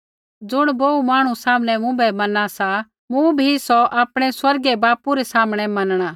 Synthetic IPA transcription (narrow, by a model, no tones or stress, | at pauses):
d͡zʊɽ̃boːumaːɽ̃usaːmɽ̃ɛmʊ̃bɛmɐnasa | mũbʱisɔʔaːpɽ̃ɛswɐɾɡɛbaːpuɾɛsaːmɽ̃ɛmɐnɽ̃aː